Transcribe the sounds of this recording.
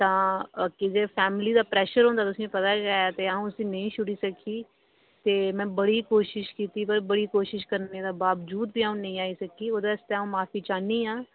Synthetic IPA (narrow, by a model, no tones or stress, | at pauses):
t̪ãːkɪd͡ʒeːpʰɛːmɪliːd̪aːpɾɛːʃəɾɦõːnd̪aːt̪ʊsiẽːpət̪aːɡaɛt̪eːaːũːsĩːnəɦĩːʃʊɽiːsəkʰiː | t̪eːmɛ̃ːbəɽiːkoːʃɪʃkiːt̪iːpəɾbəɽiːkoːʃɪʃkəɾned̪aːbaːʋd͡ʒuːd̪̚bʱiːaːũːnəɦĩːaːisəkiːoːd̪ast̪eaːũːmaːfiːt͡ʃaːniːãː